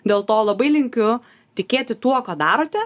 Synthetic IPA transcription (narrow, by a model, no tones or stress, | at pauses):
d̪ʲeːlˠt̪oːlˠɐbɐɪlʲɪŋʲkʲʊ | t̪ʲɪkʲeːt̪ʲɪt̪uɔkaːd̪ɑːɾoːt̪ʲɛ